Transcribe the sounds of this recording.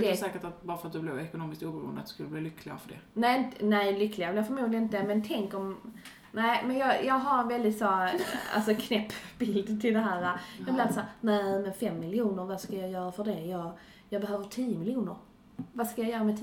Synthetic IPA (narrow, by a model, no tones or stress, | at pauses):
d̪ɛsɛːkəʈat̪̚bɑːɾafœɾat̪̚d̪ɵblɛvɛkʊnoːmɪskt̪uːbɾṵənd̪a̰t̪d̪̥skɵlːəbliːlʏkʰlɪɡa̰fœɖɛ̰nɛɪnt̪nɛɪlʏklɪɡavɛljafəɾmuːɡ̪lɪənɪnt̪əmɛnt̪ʰɛŋkɔm | næɪmɛnjɑjɑːɡɦaɾɛnvɛld̪ɪt̪soa̰lsɔkʰnɛpːbɪld̪t̪ʰɪld̪ɛɦæːɾajɑblɪat̪əsːɾnæmɛnfɛmːɪljuːnəɾvaskajɑjœːɾafœɖɛjɑɡ | jɑːɡbɛɦøːvəʈʰiːəmɪljuːnəɾ | vaskajɑjœːɾamɛt̪ʰː